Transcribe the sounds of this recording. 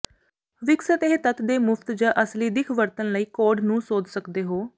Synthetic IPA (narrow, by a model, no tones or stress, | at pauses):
ʋɪksət̪eɦt̪ət̪d̪eːmʊfʰt̪d͡ʒãːʔəsliːd̪ɪkʰʋəɾt̪ənləiːkoːɖnũːsoːd͡ʒ̪səkd̪eːɦoː